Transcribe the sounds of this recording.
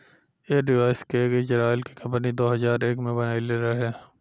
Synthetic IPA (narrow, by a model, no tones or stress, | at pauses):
eːɖɪʋaːɪskeɡed͡ʒəɾaːɪlkikɐ̃mpnid̪oːɦɐzaːɾeːkmẽbɐnaːileːɾaɦɛː